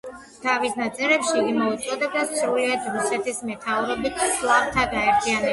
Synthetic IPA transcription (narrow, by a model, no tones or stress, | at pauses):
t̪ʰavisnat̪sʼɛɾɛpʃiɡimɔut̪sʼɔd̪ɛbd̪asɾuliad̪ɾusɛt̪ʰismɛt̪ʰauɾɔbit̪ʰslˠapt̪ʰaɡaɛɾt̪ʰianɛ